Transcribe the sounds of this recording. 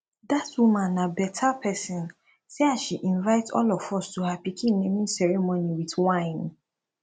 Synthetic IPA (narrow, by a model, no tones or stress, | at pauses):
datwumãnːabɛtʰapʰɛsĩn | seaʃiʔĩnvaɪtɔ̰lɔfɔstuhapikʰĩnːẽmĩsɛɹemoniwitwãɪ̃n